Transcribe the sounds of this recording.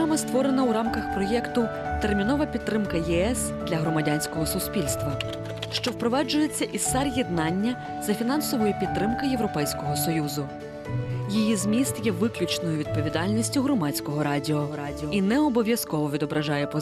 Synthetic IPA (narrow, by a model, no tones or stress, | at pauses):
mɐst̪ʋɔɾenɐwɾɑmkɐxpɾɔjɛkt̪ʊ | t̪ermʲinɔʋɐpʲid̪t̪ːɾɪmkɐjɛɛs | d̪lʲɐɦɾɔmɐdʲanʲsʲkɔɦɔsʊspʲilʲst̪ʋɐ | ʃt͡ʃɔwpɾɔʋɑd͡ʒʊjet͡sʲːɐʔissɛrjɛd̪nɑnʲːɐ | zɐfʲinɑnsɔʋɔjʊpʲid̪t̪t̪ːɾɪmkɐjeʋwɾɔpɛjsʲkɔɦɔsɔjuzʊ | jijizmʲist̪jɛʋɪklʲʊt͡ʃnɔjʊʋʲid̪̚pɔʋʲid̪ɑlʲnʲisʲtʲʊɦɾɔmɑt͡sʲkɔɦɔɾɑdʲiɔ | inɛɔbɔʋʲjɐskɔʋɔʋʲid̪ɔbɾɐʒɑjɛpɔ